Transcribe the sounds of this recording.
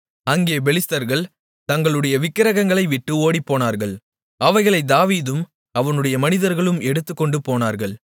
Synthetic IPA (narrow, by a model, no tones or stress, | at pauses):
ɐŋɡeːbɛlɪst̪ɐɾɣɐɭ | t̪ɐŋɡɐɭɯɽɐjɐʋɪkːɪɾɐɣɐŋɡɐɭɐɪʋɪʈːɯoːɽipːoːnaːɾɣɐɭ | ɐʋɐɪɣɐɭɐɪd̪aːʋiːðɯm | ɐʋɐnɯɽɐjɐmɐnɪðɐɾɣɐɭɯmɛɽɯt̪ːɯkːɔɳɖɯpoːnaːɾɣɐɭ